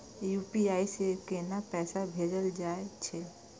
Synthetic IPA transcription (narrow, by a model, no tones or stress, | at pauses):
juːpiaːisekenapɛːsabʱeːd͡ʒəld͡ʒaːet͡ʃʰe